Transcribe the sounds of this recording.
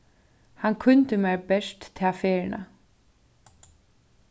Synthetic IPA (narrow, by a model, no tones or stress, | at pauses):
hankʰʊnt̪əmɛɹbɛʂt̪t̪ʰːaːfeːɹɪnʔa̰